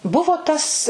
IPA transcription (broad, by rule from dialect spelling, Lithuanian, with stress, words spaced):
ˈbʊʋoː ˈtɐs